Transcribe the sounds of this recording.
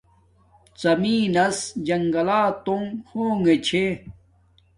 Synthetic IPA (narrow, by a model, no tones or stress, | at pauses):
t͡sɐmiːnɐsd͡ʑɐŋɡɐlaːt̪oŋhoːŋet͡ɕʰe